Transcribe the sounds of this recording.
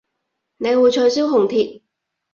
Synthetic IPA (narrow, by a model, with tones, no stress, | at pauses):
ne˨˧jwuː˨˧jt͡ʃʰɔː˧jsiː˥wɦʊ˨˩ŋt̪ʰiː˨t̚